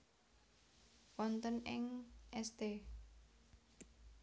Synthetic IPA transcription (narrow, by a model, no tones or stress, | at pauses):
wɔnt̪ənɪŋʔɛst̪e